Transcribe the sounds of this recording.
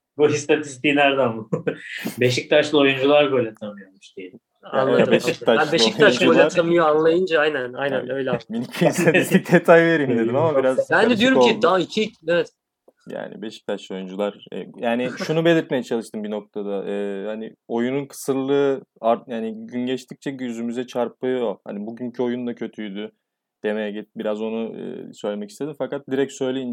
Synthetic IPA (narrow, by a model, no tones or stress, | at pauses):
buɦist̪ʰat̪ʰi̥st̪iːnʲæɾd̪ænbu | be̞ʃ̬ic̚t̪ʰat͡ʃlˠɯo̞jund͡ʒulˠaɾɡo̞lʲat̪ʰamɯjomuʃd̪ejeim | a̰nˠad̪ɯbeʃic̪ʰabeʃoic̪aʃɡuolʲat̪ʰamɯjoanlˠajɯnd͡ʒaajnæna̰jnænø̞jlʲɛminiiisʰat̪ist̪ʰic̚d̪et̪ʰajve̞ɾimd̪ed̪imamabiɾazbænd̪ɛd̪yo̞ɾumcʰid̪aicʰicevɛt̪̚ | ja̰ːnḭbe̞ʃi̥ct̪ʰaʃlo̞jund͡ʒulˠaɾ̥ɛ̰jaːniʃʃunube̞lʲiɾt̪̚me̞jɛt͡ʃʰalˠɯʃt̪ʰɯmbino̞k̚t̪ʰad̪aʔɛːhanio̞jununkʰɯ̥sɯɾlˠɯːaɾjaːniɟynɟɛʃt̪ʰic̚t͡ʃʰɛɟyzymyzɛt͡ʃʰaɾpɯoha̰nibuɟyncʰyo̞jund̪acʰø̞t̪ʰyjd̪y | d̪̥e̞mejɛɟit̪̚biɾazo̞nuɯ̰søjlʲe̞mɛcist̪e̞d̪imfakat̪̚d̪iɾɛcsø̞jlʲejin